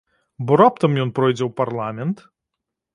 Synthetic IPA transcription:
bɔɾap̚t̪ɐmjɔnpɾɔjd͡zʲɛwpɐɾlˠamʲɛnt̪

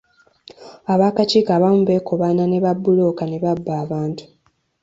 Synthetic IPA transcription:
aβaːkat͡ʃiːkaβamuβe̞koβanane̞βabːulo̞kane̞βabːaːβaːntu̥

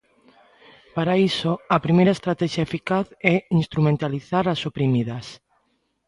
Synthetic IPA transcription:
paɾaisoɐpɾimejɾaest̪ɾat̪ɛʃaefikaθɛinst̪ɾumẽnt̪aliθaɾasopɾimiðɐs

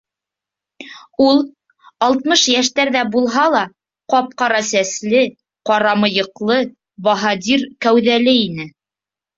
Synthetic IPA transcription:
ulˠ | ɑlˠt̪mɤʃjæʃt̪æɾðæbulˠɦɑlˠɑ | qɑp̚qɑɾɑsæslɘ | qɑɾɑmɤ̆jɤ̆qlˠɤ | bɑɦɑd̪ʲiɾkæwðælɘinɘ

